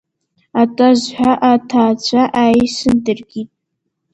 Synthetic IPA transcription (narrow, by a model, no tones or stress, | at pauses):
atʼazħʷᶣaʔatʰaːt͡ɕʷʰaʔaːjsɨndɨrɡʲitʼ